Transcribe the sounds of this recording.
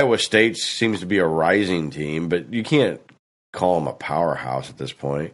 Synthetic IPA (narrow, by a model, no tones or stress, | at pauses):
əsteɪtsĩmz̥tʰəbiɨɹaɪzɪ̃ŋtʰĩmbʌt͡ʃɨkʰæ̃n̚ | kʰɔlˠə̃mə̰pʰaʊə̰˞ha̰ʊsət̪̚ðɪspʰɔ̃ɪ̃nt̚